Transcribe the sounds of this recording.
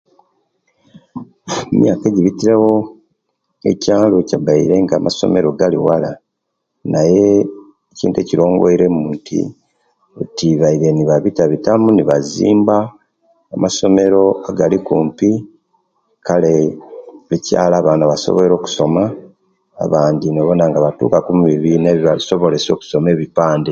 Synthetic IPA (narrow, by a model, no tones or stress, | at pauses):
mjaːke̞ɟiβitiɾewo̞ | ecaːlocabaiɾe̞ŋɡamʔaso̞̰me̞ɾo̞ɡaliwala | naje̞ː | cḭːntueciɾo̞ːŋɡoiɾe̞muntʰḭ | utiβaiɾe̞niβaβitaβitamuniβazḭːmbaː | maso̞me̞ɾo̞aɡalikuːmpi | kale̞ | lica̰ːlaːβaːnaβaso̰βoeɾo̞ːku̥so̞ma̰ː | βaːndinoβonaŋɡaβatṵːkakumuβiβineβiβaso̞βo̞le̞so̞ːku̥so̞me̞ːβipaːnde